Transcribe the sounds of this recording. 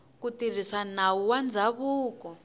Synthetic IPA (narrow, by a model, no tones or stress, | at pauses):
kutir̤isan̤auwand͡zaβuːkɔ